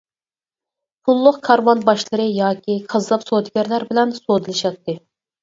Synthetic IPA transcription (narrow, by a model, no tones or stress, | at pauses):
pʰulˠːʊqkʰɑɾwɑnbɑʃlˠɨɾɨjɑːkʲʰiqʰɑzlˠɑpsoːd̪ɡʲɛɾlæɾbɪlɛnsod̪ɨlˠɨʃɑt̪ʰːɨ